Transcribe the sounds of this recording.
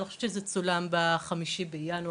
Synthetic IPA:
nixχo̥ʃevt͡ʃezet͡sulambaχamiʃibejanu

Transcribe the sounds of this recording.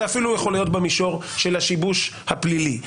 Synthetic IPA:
afilujeχo̞lajo̞t̪bemiʃo̞ʁʃe̞laʃibuʃ | haplili

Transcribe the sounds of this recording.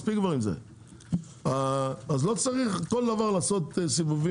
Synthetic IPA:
spiɡvɔʁimzḛ | aazlot͡saʁiχkoldavaʁlaːsotsivuvi

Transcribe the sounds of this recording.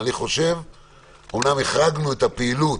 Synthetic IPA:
niχo̞ʃe̞v | omnameχʁaɡnuet̪apeilut

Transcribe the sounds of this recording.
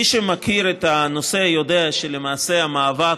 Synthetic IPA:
iʃemakiɾetano̞se̞jo̞de̞aʃe̞le̞maːse̞amaːva

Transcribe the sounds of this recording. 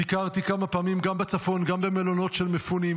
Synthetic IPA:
ikaʁt̪ikamapaːmimɡambet͡safo̞nɡambe̞melo̞no̞tʃe̞lmefunim

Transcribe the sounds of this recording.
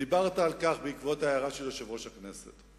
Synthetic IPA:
ibaʁt̪aːlkaχbeikvot̪aːjaʁaʃeloʃevʁo̞ʃakne̞se̞̰t

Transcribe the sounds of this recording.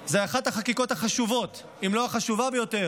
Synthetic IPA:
zeaχat̪haχakiko̞thaχaʃuvo̞t̪ | imlo̞haχaʃuvabejo̞te̞ʁ

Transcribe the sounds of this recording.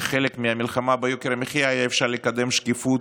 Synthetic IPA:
χelekmiamilχamabajokeɾameχijajaefʃaʁlekad̪e̞mʃkifut̪

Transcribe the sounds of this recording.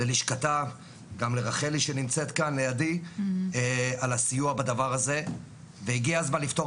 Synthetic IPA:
leliʃkata | ɡamleʁaχeliʃenimt͡se̞t̪kanlejadi | alasijuabad̪avaʁaze̞ | veiɡiazmanlifto̞

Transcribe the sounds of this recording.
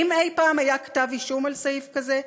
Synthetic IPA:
imejpaːmajakḁtaviʃumalsajifkaze

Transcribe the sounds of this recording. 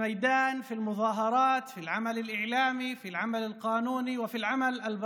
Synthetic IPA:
majd̪aːnfilmʊðɑːɦɑɾˤɑːt̪filʕamalalʔɪʕlaːmifilʕamalalqɑːnuːniwɪfilʕamalʔalb

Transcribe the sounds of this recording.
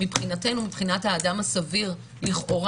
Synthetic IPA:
ipχinatenumipχinathaːdamasaviʁ | liχʔo̞ʁ

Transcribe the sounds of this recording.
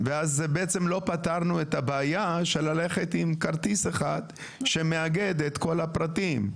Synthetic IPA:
veazːebeet͡se̞mlo̞pat̪aʁnuet̪habeajaʃe̞lale̞χe̞t̪imkaʁt̪iseχad̪ | ʃe̞me̞aɡe̞d̪et̪ko̞lapʁat̪im

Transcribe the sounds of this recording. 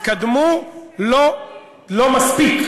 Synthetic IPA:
kad̪mulo | lomaspik

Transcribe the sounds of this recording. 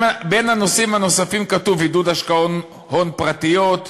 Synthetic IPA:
benhano̞simhano̞safimkatuvidud̪aʃkaon | honpʁat̪ijot

